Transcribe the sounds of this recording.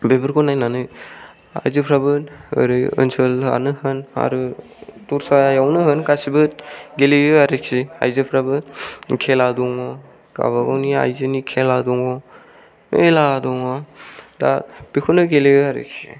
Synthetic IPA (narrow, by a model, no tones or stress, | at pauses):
bebɯɾkʰɔnajnanɯ | a̰jzɯpʰɾabɯnɯ̰ɾɯɯ̰nsʰɯla̰nɯhɯna̰ɾɯ | tuɾsajawnɯɦɯnkasibɯtɡeliɯaɾek̚sia̰jzɯpʰɾabɯkʰeladɔŋɔ | ka̰βaɡawnia̰jzɯnikʰeladɔŋɔ | meladɔŋɔda̰bikʰunɯɡeleɯaɾḛk̚si̥̰